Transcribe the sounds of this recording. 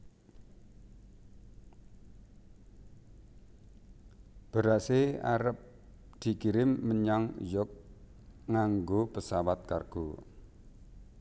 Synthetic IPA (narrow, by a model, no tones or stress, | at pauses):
b̥əɾasea̰ɾəp̚ | d̪̥i̤kiɾɪmːəɲaŋjʊk̚ | ŋaŋɡopəsawat̪̚karɡ̥o